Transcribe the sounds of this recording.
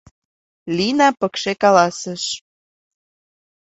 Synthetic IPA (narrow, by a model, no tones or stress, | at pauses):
linɑpəkʃekɑlɑsəʃ